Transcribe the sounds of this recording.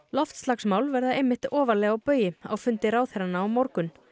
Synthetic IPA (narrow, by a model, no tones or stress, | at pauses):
l̪ɔft̪st̪laksmaːwlvɛɾðaejmːɪht̪ɔːvalɛːɣawpœːɥjɪa̰wfʏnt̪ɪɾaːwθɛɾanaːwmɔɾkʏn